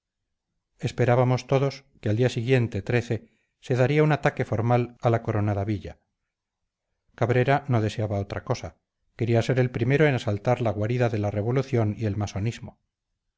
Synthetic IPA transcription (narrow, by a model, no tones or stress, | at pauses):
espe̞ɾaβamo̞st̪o̞ðo̞skeald̪iasiɣje̞nt̪e̞t̪ɾe̞θe̞ | se̞ðaɾiaunat̪ake̞fo̞ɾmalalako̞ɾo̞naðaβiʎa | kaβɾe̞ɾano̞ðe̞seaβao̞t̪ɾako̞sa | ke̞ɾiase̞ɾe̞lpɾime̞ɾoenasalt̪aɾlaɣwaɾiðaðe̞lare̞β̞o̞luθjo̞nie̞lmaso̞nizmo̞